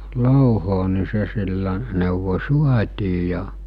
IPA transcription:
loˑuhoː ni se silːæ neˑuʋo̟ suɑtʲiː jɑ

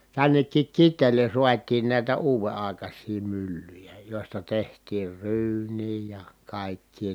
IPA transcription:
tænːekːik kitˑeːlen̞ suɑtˑiːn næˑi̯tæ uːʋe ɑˑi̯kɑsˑiː mylːyjæ joˑi̯stɑ tehtˑiːr ryːnˑiː jɑ kɑˑikːiː

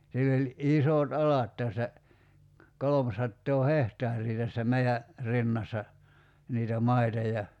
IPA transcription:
silː olʲ ʔisoˑt ɑlɑt tæsːæ kolomsɑtːoː hehtɑːrˑiː tæsːæ meiæ rinːɑsːɑ niːtæ mɑitɑ jɑ

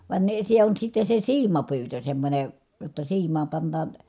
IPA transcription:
ʋɑˑen ne se on sitːe se siːmɑpyːtø semːonʲe jotːɑ siːmˑɑːm pɑnːɑːn

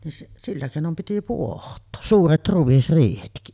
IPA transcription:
nin silːæ keˑinom piti puohtˑoː suːret ruʋ̆isriːhetki

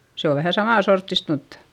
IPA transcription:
se o ʋæhæ sɑmɑˑ sortːist mutːɑ̥

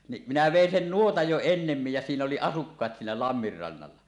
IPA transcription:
ni minæ ʋeˑin sen nuotɑj jo enːemːij jæ siːn oli ɑsukːɑːt siːnæ lɑmːir rɑnːɑlːɑ

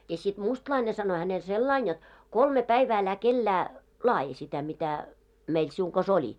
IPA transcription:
jɑ sit mustlɑine sɑno hænel selːɑin jot kolme pæiʋæː ælæ kelːæː lɑːji sitæ mitæ meil siuŋ kɑs olʲi

